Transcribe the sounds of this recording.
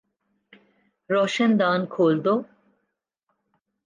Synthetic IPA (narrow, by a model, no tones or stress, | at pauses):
ɾɔʃend̪ankʰold̪o